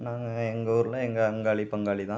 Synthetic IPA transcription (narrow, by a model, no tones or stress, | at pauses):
naːŋɡɐɛŋɡɐuːɾɯlɐɛŋɡɐɐŋɡaːɭipɐŋɡaːɭit̪ãː